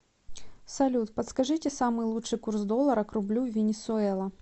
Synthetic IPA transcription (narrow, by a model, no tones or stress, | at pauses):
sɐlʲut̪pət̪skɐʐɨtʲɪsamɨjlˠuʂɨjkursd̪o̞lˠːəɾəkɾʊblʲuvʲɪnʲɪsʊɛlˠɐ